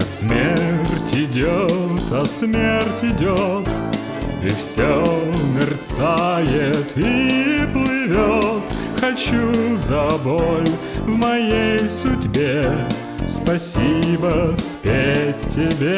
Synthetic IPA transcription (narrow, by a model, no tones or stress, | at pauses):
ɐsmʲertʲɪdʲot̪ɐsmʲertʲɪdʲot̪ | ifsʲomʲɪrt̪sajɪt̪ʰiplˠɪvʲot̪ | xɐt͡ɕuzɐbolʲ | vmɐjejsʊdʲbʲe | spɐsʲibəspʲetːʲɪbʲe